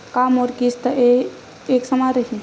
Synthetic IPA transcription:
kamɔɾkist̪əe | eksəmaɾəɦi

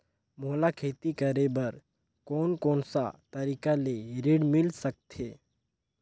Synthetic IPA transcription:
molakʰet̪ikəɾebəɾ | konkoɳsa̰t̪əɾikaleɾiɽmilsək̚t̪ʰe

